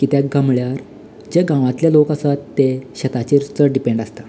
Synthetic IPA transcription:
kit̪jaɡãmɭjaɾ | d͡ʑeɡãʋãt̪ljalokasat̪ːeɕət̪at͡ɕiɾut͡səɖipẽɳɖast̪a

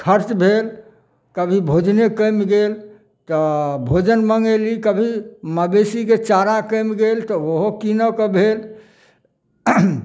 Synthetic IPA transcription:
kʰəɾt͡ʃbʱel | kəbʱibʱod͡ʒnekəmɡel | t̪ɔbʱod͡ʒənməŋɡəlikəbʱiməbesiket͡ʃaɾakəmɡelt̪ɔoɦokinəkəbʱel

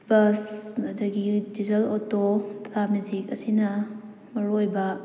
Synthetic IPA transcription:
bɐsɐdɐɡidizɐlotottamuzikɐsinɐ | mɐɾojbɐ

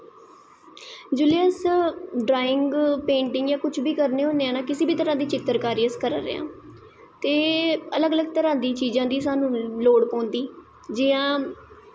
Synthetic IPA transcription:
d͡ʒuːliəsɖɾaːɪŋɡpẽːɳʈɪŋɡjãːkʊt͡ʃʰbiːkəɾneːɦõːnd̪eːaːnaːkɪsiːbiːt̪əɾãːd̪iːt͡ʃɪt̪ːəɾkaːɾiəskəɾəɾḛã̰ː | t̪eːələɡələɡ̚t̪əɾãːd̪iːt͡ʃiːzãːd̪iːsaːnũːloːɽkõːnd̪iː | d͡ʒɪːãː

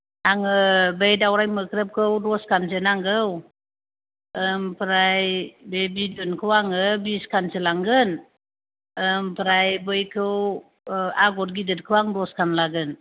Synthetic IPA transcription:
aŋɯbejdawɾajmɯkʰɾəp̚kʰɯwdɔskʰansɯnaŋɡɯw | əmpɾajbebidɯnkʰɯwaŋɯbiskʰansɯlaŋɡɯn | əmpɾajbɯjkʰɯw | aɡɔt̚ɡidɯt̚kʰɯwaŋdɔskʰanlaɡɯn

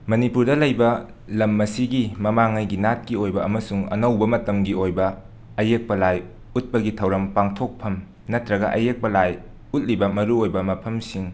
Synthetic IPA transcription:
mɐnipuɾdɐlɐjbɐ | lɐmːɐsiɡimɐmaŋajɡinat̚kiojbɐɐmɐsuŋɐ̰nɐwbɐmɐtɐmɡiojbɐ | ɐjek̚pɐlaj | ut̚pɐɡitʰɐwɾɐmpaŋtʰok̚pʰɐm | nɐtɾɐɡɐ̰ʔɐ̰jek̚pɐlaj | ut̚libɐmɐɾuojbɐmɐpʰɐmsiŋ

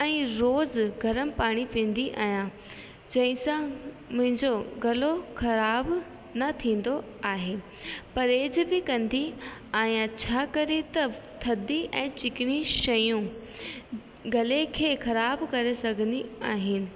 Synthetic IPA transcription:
ɛ̃ːɾoːzɡʱɐɾəmɪ̆paːɽ̃ipĩːn̆d̪iʔa̰ːɦijã | d͡ʑɐ̃ɦɪ̃sã | mʊ̃ɦɪ̃ɲd͡ʑoɡɐloxɐɾaːb | nɐt̪ʰĩːn̆d̪o | aːɦeː | pɐɾeːd͡ʑbɪkɐ̃nd̪iaːĩt͡ɕʰaːkɐɾit̪ɐt̪ʰɐd̪iʔɛ̃ːt͡ɕɪkɪɽ̃ĩʃɐjũ | ɡɐlekʰeːxɐɾaːbkɐɾesɐɡʱə̃nd̪iaːɦɪnɪ̆

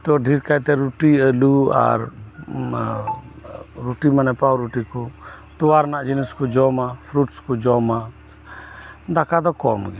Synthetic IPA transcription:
t̪ɔɖʱiɾkajt̪ɛɾuʈiəlua̰ɾ | ɾuʈimanɛpawɾuʈikɔ | t̪ɔwaɾnaʔd͡ʒiniskɔd͡ʒɔmapʰɾuʈskɔd͡ʒɔma | d̪akʰad̪ɔkɔmɡi

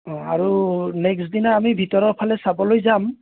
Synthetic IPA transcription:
ɔa̰ɹunɛksdinaːmibʱitɔɹɔɹpʰalɛsabɔlojzam

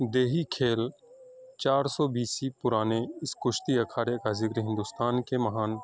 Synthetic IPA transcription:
d̪eːɦikʰeːl | t͡ʃaːɾsɔːbiːsipʊɾaːneɪskʊʃt̪iɐkʰaːɽekazɪkɾiɦɪ̃nd̪ʊst̪aːnkemɐɦaːn

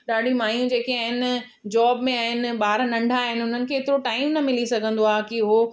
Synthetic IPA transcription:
ɗaːɗʱimaːjũd͡ʑeːkiaːɦɪn | d͡ʑɔːbmẽaːɦɪnɪ̆ɓaːɾnɐ̃ɳɖʱaɦɪnɪ̆ʊn̤ənɪ̆kʰeɪt̪ɪɾoʈaːɪmnɐmɪlisɐɡʱə̃nd̪oaːkiʊɦo

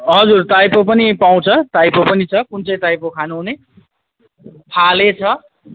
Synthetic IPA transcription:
ɦʌd͡zurt̪ajpopʌnipaw̃t͡sʰʌt̪ajpopʌnit͡sʰʌkunt͡sʌjt̪ajpokʰanuɦune | p̪ʰalet͡sʰʌ

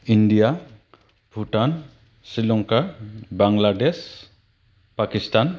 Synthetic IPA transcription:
indija | bʱuʈan | silɔŋkabaŋlades | pakistan

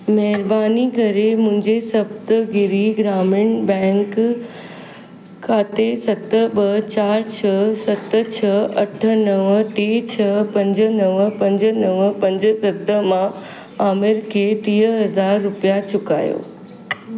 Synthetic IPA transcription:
mɛɦɪɾbaːnikɐɾemʊ̃ɦɪ̃ɲd͡ʑesɐbt̪ɡɪɾiɡɾaːmɪɳbɛ̃ːŋk | kʰːaːt̪esɐt̪ə̆ɓɐt͡ɕaːɾt͡ɕʰɐsɐt̪ə̆t͡ɕʰɐɐʈʰə̆nɐʋʈeːt͡ɕʰɐpɐ̃ɲd͡ʑə̆nɐʋəpɐ̃ɲd͡ʑnɐʋpɐ̃ɲd͡ʑə̆sɐd̪ə̆mã | aːmɪɾkʰeːʈiːəɦɐzaːɾːʊpijat͡ɕʊka̰ːjo̰ː

